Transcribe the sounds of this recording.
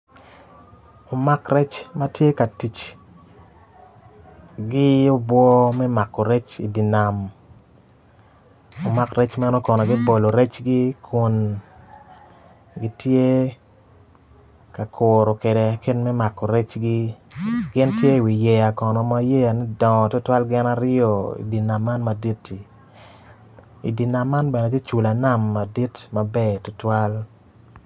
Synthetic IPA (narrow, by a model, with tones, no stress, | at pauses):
o˨ma˦krɛ˦t͡ʃma˦tje˦ka˨ti˨t͡ʃ | ɡɪ˦o˦bwɔ˦mɛ˦ma˨kɔ˨ɾɛ˦t͡ʃi˨di˨na˨m | o˨ma˦kɾɛ˦t͡ʃmɛ˦nɔ˦kɔ˨nɔ˨ɡɪ˦po˨lo˨ɾɛ˦t͡ʃɡi˦kʰu˨n | ɡi˦tje˦ | ka˨kʰo˨ɾɔ˨ke˨de˨˦ke˦nmɛ˦ma˨kːɔ˨ɾɛ˦t͡ʃɡi˦ɡɪ˦ntje˦˨wi˨jɛ˨ja˨kɔ˨nɔ˨ma˦je˦a˨nɛ˦dɔ̃˨tʊ˦twa˦lɡɪ˦na˦ɾɪ˦ɔ˨ḭ˨di˨na˨mːa˦nma˨di˦tːi˨ | ḭ˨di˨na˨mːa˦nbɛ˨nɛ˨te˦t͡ʃu˨la˨na˦˨mːa˨di˦tma˨bɛ˦˨tʊ˨twa˦l